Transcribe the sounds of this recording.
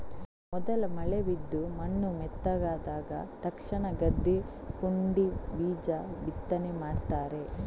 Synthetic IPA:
mɔd̪ɐlɐmɐleʋid̪ːumɐnːumɛt̪ːɐɡaːd̪aːɡɐ̰t̪ɐkʂɐɳɐɡɐd̪ːi | puɳɖibiːd͡ʒɐbit̪ːɐnemaːɖt̪aːɾe̞

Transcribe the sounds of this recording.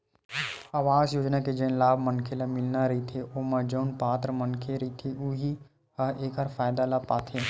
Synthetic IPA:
aːʋaːzjoːd͡ʒnaked͡ʒɐnlaːbʱmənkʰelamɪlnaɾɐɦit̪ʰeʔoːmɐd͡ʒoːnpaːt̪ɾmənkʰeɾɐit̪ʰeʔuɦi | həeːkəɾfaːjd̪alapaːt̪ʰe

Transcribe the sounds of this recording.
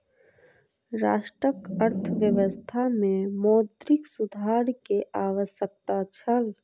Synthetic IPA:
ɾa̰ːʃʈɾəkəɾt̪ʰəʋjəʋəst̪ʰamẽmɔːd̪ɾɪksʊd̪ʱaːɾkeʔaːwəʃjək̚t̪at͡ʃʰəl

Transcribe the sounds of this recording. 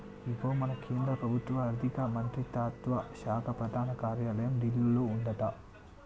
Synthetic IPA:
iɡoːmɐnɐkʰeːnd̪ɾɐpɾɐbʱut̪ːʋɐɾd̪ʱikɐmɐnt̪ɾit̪aːt̪ʋɐʃaːkʰɐpɾɐd̪ʱaːnɐkaːɾjaːlɐjɐmɖilːɐloːuɳɖɐt̪ɐ

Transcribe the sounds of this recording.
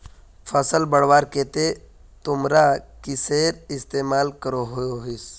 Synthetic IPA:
fʰəsəlbəɽ̤waːɾket̪e | t̪ʊmɾakiseɾɪst̪eːmaːlkəɾoɦojoɦis

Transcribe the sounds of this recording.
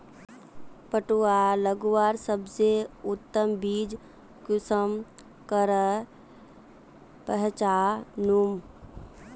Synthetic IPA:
pəʈualəɡwaːɾsəbseʊt̪ːəmbiːd͡ʒ | kʊsəm | kəɾə | pəɦt͡ʃaːnum

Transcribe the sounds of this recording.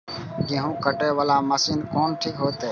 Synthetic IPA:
kɪɦũːkəʈeːʋəlaːməsiːnkoːnʈʰiːkɦoːt̪eː

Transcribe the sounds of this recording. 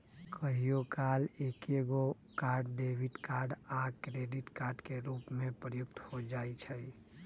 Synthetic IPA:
kʰəɦijokalekeɡo | kaːɾɖɖebiʈkaɾɖakɾeɖiʈkaɾɖkeɾupmẽpɾəjʊkt̪hod͡ʒait͡ʃʰəj

